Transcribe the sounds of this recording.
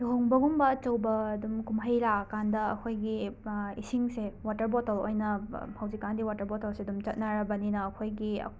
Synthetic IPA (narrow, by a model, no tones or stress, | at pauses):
doŋbɐɡumbɐt͡ʃɐwbɐːdumkumɦɐjɾakandɐɐ̰kʰojɡiisiŋsewatɐɾbotɐlojnɐhawzikːandiwatɐɾbotɐlsedumt͡ʃɐt̚nɐɾɐbɐninɐːkʰojɡiɐ̰